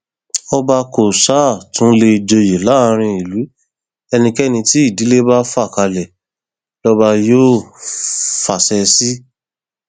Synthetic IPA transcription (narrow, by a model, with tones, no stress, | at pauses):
ɔ˧ba˧ko˨sa˦˨tũ˨˦le˧i˨d͡ʒo˧je˨la˨˦˧ɾ̃ĩ˧i˨lu˨˦ | ɛ˧nĩ˧kɛ˦nĩ˧ti˦i˦˨di˨˦le˦ba˦fa˦˨ka˧lɛ˨ | lɔ˦ba˧joː˦˨ | fa˨sɛ˧si˦